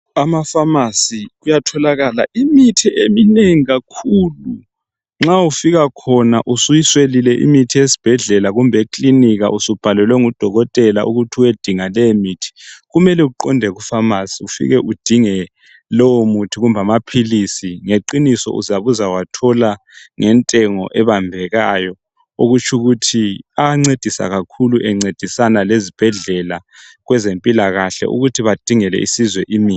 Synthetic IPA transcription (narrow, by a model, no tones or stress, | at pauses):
amafamasiɣujatʰɔlaɣala̰ʔimitʰiʔemineŋiɣakʰuːlu | ŋ͡ǁaufiɣakʰɔnaʔusujiswelilɛʔḭmitʰiesi̥b̥ʱɛɮɛlaɣumbʱekʰʼliniɣa̰ʔusub̥ʱalɛlwɛŋud̥ʱɔɣɔtʼɛla̰ʔṵɣutʰiwed̥ʱiŋalɛmitʰi̥ɣumɛlɛuǃɔndʱɛɣufamasiufḭɣɛʔud̥ʱiŋɛ | lɔwomutʰiɣumbʱamapʰilisiŋeǃinisɔ̰ʔṵzaβuzawatʰɔla | ŋɛntʼɛŋɔ̰ʔɛβambʱɛɣajɔ | oɣut͡ʃʰʼuɣutʰiaŋ͡ǀed̥ʱisa̰ɣakʰuluʔɛŋ͡ǀed̥ʱisanalezib̥ʱɛɮɛlaɣwɛzempʼilaɣaɬɛ̰ʔṵɣutʰiβad̥ʱiŋɛlɛ̰ʔḭsizwɛʔimiː